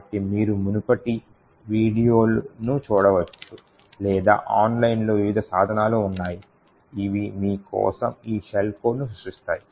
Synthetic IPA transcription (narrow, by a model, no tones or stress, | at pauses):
ɐʈːimiːɾumunupɐʈi | ʋiːɽijo̞ːlunut͡ʃuːɽɐʋɐt͡ʃːu | lɛːd̪a̰ːʔaːnlɐjinlo̞ːʋiʋid̪ʱɐsaːd̪ʱɐnaːluunːaːji | iʋimiːkɔ̰ːsɐmiːʃelkoːnusuʂist̪a̰ːji